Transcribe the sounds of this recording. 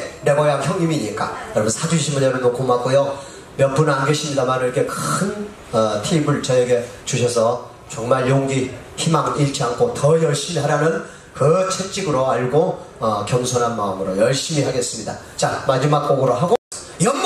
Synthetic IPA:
ne̞bʌeaçjʌŋɲimiːɲik͈a̰jʌɾʌbunsʰad͡ʑuɕʰimbunjʌɾɯnokʰomak͈ojo | mjʌpunanɡeɕʰimɲidamaniɾʌkʰe̞kɯn | ʌtʰimɯɭt͡ɕʌeɡe̞t͡ɕuɕ̬ʰʌsʰʌ | t͡ɕʌŋmaɭjoŋɡi | çimaŋiɭt͡ɕ͈ʰiankʰotʌjʌɭɕ͈inɦaɾanɯn | kɯt͡ɕʰek̚t͡ɕ͈iɡɯɾoaɭɡoʌkjʌŋsʰonɦanmaɯmɯɾojʌɭɕ͈imihaɡe̞s͈ɯmɲida̰ | t͡ɕamad͡ʑimak̚k͈oɡɯɾoɦaɡo | jʌŋ

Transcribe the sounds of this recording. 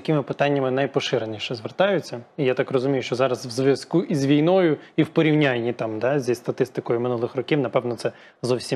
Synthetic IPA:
ɐkɪmɪpɪt̪ɑnʲːɐmɪnɐjpɔʃɪɾenʲiʃɛzʋert̪ɑjʊt͡sʲːɐijat̪ɑkrɔzʊmʲijʊʃt͡ʃɔzɑɾɐsʋzʋʲjɐskuʔizʲʋʲijnɔjʊiwpɔɾʲiwnʲanʲːit̪ɑmd̪ɑzʲist̪ɐt̪ɪst̪ɪkɔjʊmɪnulˠɪxrɔkʲiwnɐpɛwnɔt̪sɛ | zɔwsʲi

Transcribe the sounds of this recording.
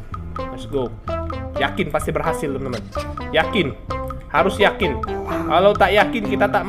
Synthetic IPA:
ɛsɡo | jakɪnpast̪ibərɦasɪlt̪əməmanjakɪnhaɾʊsjakɪnkalawt̪aʔjakɪnkit̪at̪aʔm

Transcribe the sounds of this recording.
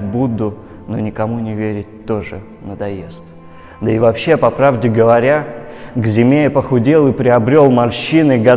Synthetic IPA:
bud̪ʊ | no̞̰nʲɪkɐmunʲɪvʲeɾʲɪtʲt̪o̞ʐɨ | nəd̪ɐje̞st̪ | d̪əɪvɐpɕːepɐpɾavdʲɪɡəvɐɾʲaɡzʲɪmʲejɪpəxʊdʲelˠɨpɾʲɪɐbɾʲo̞lˠmɐlʲɕːinɨɡɐ

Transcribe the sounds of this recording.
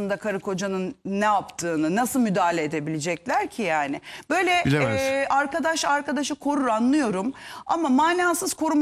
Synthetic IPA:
ɯnd̪akʰaɾɯkʰo̞d͡ʒanɯnːɛapt̪ʰɯːnɯnasɯlˠmyd̪aːlʲeed̪e̞bilʲed͡ʒɛclʲæɾcʰijaːnɪb̥ø̞jlʲɛʔaɾkad̪aʃaɾkad̪aʃɯkʰo̞ɾuɾanlˠɯjo̞ɾuma̰mamaːnaːsɯz̥kʰo̞ɾum

